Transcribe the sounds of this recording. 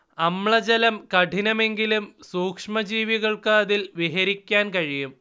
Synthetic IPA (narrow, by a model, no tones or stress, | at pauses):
ɐmɭɐd͡ʑɐlɐmkɐʈʰinɐme̞ŋɡilumsuːkʂmɐd͡ʑiːʋiɣɐɭkaːðilʋiɦɐɾikʲːaːnkɐɻijum